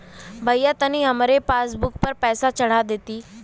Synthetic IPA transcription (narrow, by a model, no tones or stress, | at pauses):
bʱəjat̪añiːɦəmaɾepasbukpəɾpɛsat͡səɽ̤ad̪et̪iː